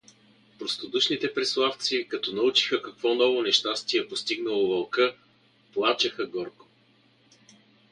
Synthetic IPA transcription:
pɾost̪od̪uʃnit̪ɛpɾɛslˠaft̪sikɐt̪ɔnɐut͡ʃi̥xəkɐkvɔnɔvonɛʃt̪ast̪iɛpost̪iɡnəlˠovɐlˠkɤ | plˠat͡ʃəxəɡɔɾko̥

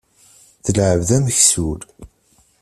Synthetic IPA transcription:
θəlʕəvðæməçsuɾ

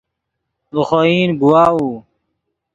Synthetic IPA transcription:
uxoiːnɡuwaːuː

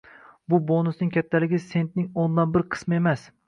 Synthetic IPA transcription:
bʊbonʊsnɪŋkʲʰat̪ʰːalɪɡʲɪse̞nt̪̚nɪŋond̪anbɪɾqʰɨ̥smɪe̞mas

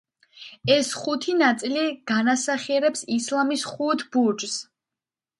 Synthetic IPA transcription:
ɛsχut̪ʰinat̪sʼiliɡ̥anasaχiɛɾɛpsislamisχut̪ʰbuɾd͡ʒs

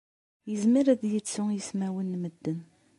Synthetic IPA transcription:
jəzmiɾæðjət͡sːʊjəsmæwənːməd̪ːən

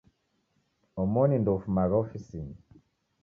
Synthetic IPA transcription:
ɔmɔnindɔufumaɣaɔfisiɲi

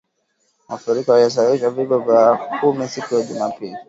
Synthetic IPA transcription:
mafuɾikahajas̬awiʃwaviɡɔvjakumisikujaʄumapili

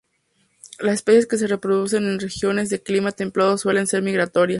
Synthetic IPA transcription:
lasespesjeske̞s̬e̞re̞pɾo̞ðuse̞ne̞nre̞xjo̞ne̞zðe̞klimat̪e̞mplaðoswele̞nse̞ɾmiɣɾat̪o̞ɾjas

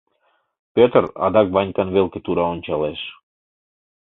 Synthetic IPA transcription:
pʲøt̪rɑ̰d̪ɑkβɑnʲkɑnβelket̪uɾɑonʲt͡ɕɑleʃ

